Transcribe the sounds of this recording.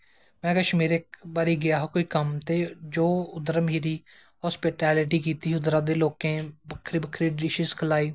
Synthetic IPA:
mɛ̃ːkəʃmeːɾɪk̚baːɾiːɡɪjaːɦkoːiːkəmt̪eːd͡ʒoːʊd̪əɾmiːɾiː | ɦɔːspiːʈɛːlɪʈiːkiːt̪iːɦʊd̪ɾãːd̪eːloːkẽːbəkʰːɾiːbəkʰɾiːɖɪʃɪzkʰəlaːiː

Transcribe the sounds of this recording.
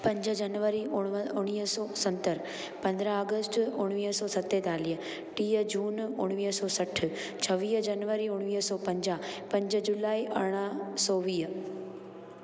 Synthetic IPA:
pɐ̃ɲd͡ʒəd͡ʑɐnʋəɾiʊɽ̃iːɦəsɔːsɐ̃nt̪əɾ | pɐ̃nd̪ɾəəɡəsʈʊɽ̃ʋiːɦsɔːsɐt̪et̪aːliə | ʈiːəd͡ʒuːnʊɽ̃ʋiːɦsɔːsɐʈʰ | t͡ɕʰɐʋiːɦd͡ʒɐnʋəɾiʊɽ̃ʋiːɦsɔːpɐ̃ɲd͡ʑaːpɐ̃ɲd͡ʑəd͡ʒʊlaːiʔɐɽ̃əsɔːʋiːɦ

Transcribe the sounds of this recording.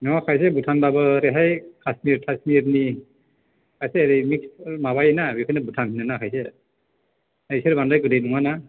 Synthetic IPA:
nɔakʰajs̬ɛbutʰanbabɔɾɛɦajkʰasmiɾtʰasmiɾni | kʰajsɛːɾimiksmaβajɛnabikʰɯnɛbutʰamʰinanakʰajsɛ | aisɛɾbandajkɯdenuŋana

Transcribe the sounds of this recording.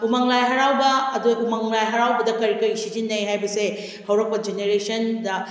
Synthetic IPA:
umaŋlajɦɐɾawbɐːduumaŋlajɦɐɾawbɐdɐkɐɾikɐɾisid͡ʒinːɐjɦajbɐse | hɐwɾɐk̚pɐd͡ʒeneɾesɐndɐ

